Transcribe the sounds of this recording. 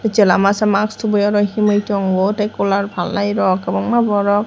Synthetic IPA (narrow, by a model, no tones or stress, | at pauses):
t͡ʃɛlamasamakstʰubɔjɔɾɔximɔjtɔŋwotajkɔlaɹbʱalːajɾɔkabɔŋmabɔɹɔk̚